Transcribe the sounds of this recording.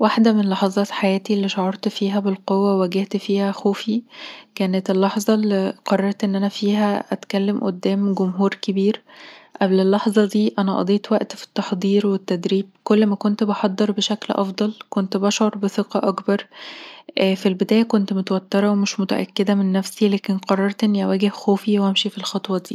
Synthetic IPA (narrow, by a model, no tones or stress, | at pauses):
waħd̪æmenlɑħɑzˤɑːt̪ħajæːt̪ilːiʃoʕɑɾˤt̪fiːɦæbelqowːææɡeht̪fiːhæxoːfikæːnet̪elːɑħzˤɑlqɑrˤːɑɾˤt̪ʔenːʔænæfiːɦæʔæt̪kælːemʔo̰d̪ːæːmɡomɦuːɾkebiːɾʔæblelːɑħzˤɑd̪iːʔænæʔɑ̰d̪ˤeːt̪wæʔt̪fi̥t̪ːɑħd̪ˤiːɾwet̪ːæd̪ɾiːb̚kolːmækont̪bɑħɑd̪ˤːeɾbeʃæklʔɑfd̪ˤɑlkont̪bɑʃʕoɾˤbeθeqɑʔɑkbɑɾˤʔfilbed̪æːjækont̪mot̪wæt̪ːeɾˤɑwemeʃmot̪æ̰ʔæ̰kːed̪æmenːæfsilæːkenqɑrˤːɑɾˤt̪ʔenːiʔæwæːɡehxoːfiwʔæmʃifilxɑt̪ˤwɑd̪iː